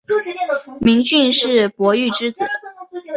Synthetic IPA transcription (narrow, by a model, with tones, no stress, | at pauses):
mi˧˥ŋt͡ɕy˥˧nʂɻ̩˥˩pwɔ˧˥y˥˩ʈ͡ʂɻ̩˥t͡sɹ̩̰˨˩